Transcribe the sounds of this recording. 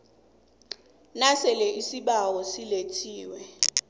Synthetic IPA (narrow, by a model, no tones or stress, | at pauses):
nasɛlɛʔisiɓawɔsiletʰiːwɛ